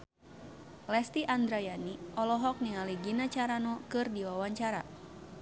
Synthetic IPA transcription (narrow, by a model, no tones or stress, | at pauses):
lɛst̪iʔand̪ɾajaniʔɔlɔɦɔk̚niŋaliɡinat͡ʃaɾanɔkɨrdiwawaɲt͡ʃaɾa̰